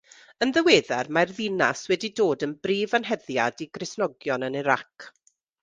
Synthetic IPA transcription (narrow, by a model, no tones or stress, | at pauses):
ənðəweːðɛrmarðɪnaswɛdidoːdənbriːvanɦɛðjadiɡrɪsnɔɡjɔnəniɾak